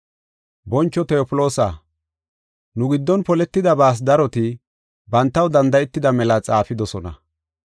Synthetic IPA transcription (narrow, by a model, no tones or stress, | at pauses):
bɔnt͡ʃːɔt̪ɛɔpɪlo̞ːsa̰ | nʊɡɪd̪ːɔnpɔlɛt̪ːɪd̪ɐbaːs̬d̪ɐɾɔt̪ɪ | bɐnt̪ːɐwd̪ɐnd̪ɐjɛt̪ːɪd̪ɐmɛlɐt͡sʼaːfɪd̪ɔsɔnɐ̰